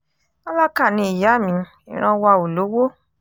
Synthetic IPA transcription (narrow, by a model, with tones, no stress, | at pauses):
a˦la˦ka˦˨nĩ˧i˨ja˨˦˨mĩ˨˧˦ | ḭ̃˨ɾ̃ã˧wa˧o˨lo˨˦wo˦